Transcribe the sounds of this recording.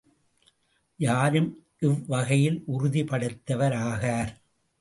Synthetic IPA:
jaːɾɯm | ʔɪʋːɐɣɐjɪlʔʊɾʊðipɐɽɯt̪ːɐʋɐɾaːɣaːɾ

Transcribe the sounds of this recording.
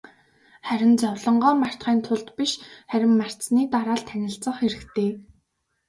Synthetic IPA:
χæɾʲɪ̆nt͡sɔwɮɞ̆ɴɢɔːmar̥t̪χiːnt̪ʰʊɮt̪piʃχæɾʲɪ̆mːar̥niːt̪aɾaːɮt̪ʰænʲɪ̆ɬt͡sə̆χxeɾɘ̆kt̪ʰeː

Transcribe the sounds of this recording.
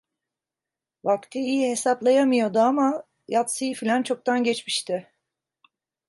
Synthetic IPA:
vakt̪ʰiijihe̞saplˠajamɯjo̞d̪ʊama | jat̪sɯjifilʲant͡ʃʰo̞k̚t̪ʰanɟɛt͡ʃmiʃt̪ʰɪ

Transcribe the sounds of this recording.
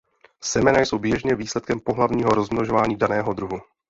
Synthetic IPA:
sɛmɛnajso̞wbjɛʒɲɛviːslɛt̪̚kɛmpoɦlavɲiːɦo̞ɾo̞zmnoʒo̞vaːɲiːdanɛːɦod̪ɾuɦu

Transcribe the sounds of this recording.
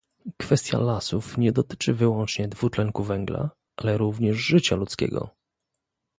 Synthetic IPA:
kfɛst̪ʲja̰lasufɲɛd̪ɔt̪ɘ̥t͡ʂɘvɘwɔnt͡ʂɲɛd̪vutlɛŋkuvɛŋɡla̰ | ʔalɛɾuvɲɛʐʐɘt͡ɕalut̪skʲɛ̰ɡɔ̰

